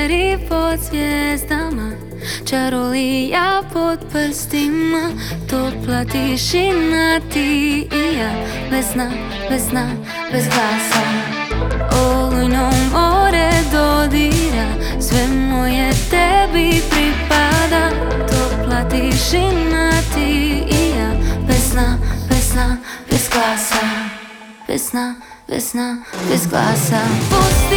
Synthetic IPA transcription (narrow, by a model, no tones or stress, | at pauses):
ɾiposjjɛzd̪ama | t͡ʃaɾolijapot̪pəɾst̪imːa | t̪oplat̪iʃinːat̪iija | ʋɛsna | ʋɛzna | bɛzɡlasa | oluɲomɡoɾɛd̪od̪iɾa | sʋɛmːojɛt̪ɛbipɾipad̪a | t̪oplat̪iʃinːat̪iijabɛsnabɛsnabɛzɡlasa | bɛ̰sna | bɛ̰snabɛzɡla̰sapo